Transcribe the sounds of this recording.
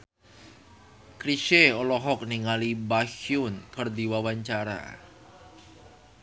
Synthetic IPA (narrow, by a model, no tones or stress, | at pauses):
kɾiʃeɔlɔɦɔk̚niŋalibaxjʊnkərd̪iwawaɲt͡ʃaɾa̰